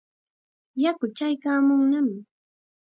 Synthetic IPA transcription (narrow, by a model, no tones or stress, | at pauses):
jakʊt͡ʃajkaːmʊŋnamɪ